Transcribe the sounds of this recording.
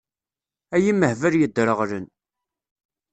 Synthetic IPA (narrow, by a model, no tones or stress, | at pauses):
æjiməhvəɾjəd̪ːɾəʁlən